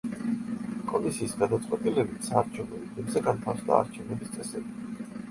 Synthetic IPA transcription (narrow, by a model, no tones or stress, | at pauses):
kʼɔmisiːsɡad̪at̪sʼqʼwɛt̪ʼilɛbit̪ʰsaːɾt͡ʃʰɛvnɔiɛbzɛɡant̪ʰafsd̪a̰ːɾt͡ʃʰɛvnɛbist̪sʼɛsɛbi